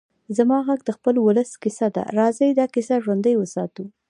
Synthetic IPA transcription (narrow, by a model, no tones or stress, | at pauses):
zamɑɣaɡd̪əxpəlwʊləskɪsad̪a̰ɾɑzəjd̪ɑkɪsaʒwand̪əjwəsɑt̪u